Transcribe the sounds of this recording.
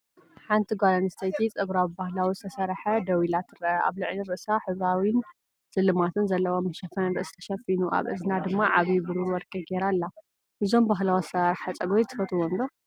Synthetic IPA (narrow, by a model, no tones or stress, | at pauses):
ħant̪ʰiɡʷalɐnɨst̪ʰɐjt̪ʰit͡sʼɐɡɾawibahlawisɨt̪ʰɐsɐɾħɐd̪ɐwilat̪ʰːɨɾʔɐʔa̰βlɨʕliɾɨʔsaħɨβawin | sɨlːɨmat̪ʰɨnzɐlːɐwomːɐʃɐfɐnɾɨʔɨst̪ʰɐ̥ʃɐfinuʔa̰βɨ̰zɨnad̪ɨmːaʕaβibɨɾuwɔɾkʼɐɡeɾalːa | ʔɨzo̞mbaɦlawsɨt̪ʰɐsɐɾħɐt͡sʼɐɡojt̪ʰɨfɐt̪ʰuwonlo